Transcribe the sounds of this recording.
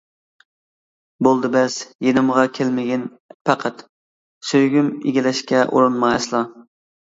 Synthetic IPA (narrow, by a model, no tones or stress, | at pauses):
bolˠd̪ɨbɛsjenɪmʁɑkʲʰelmɪɡʲɪn | pʰæqʰæt̪ | søjɡʲymḛɡʲilɛʃkʲɛʔṵɾɨnmɑslˠɑ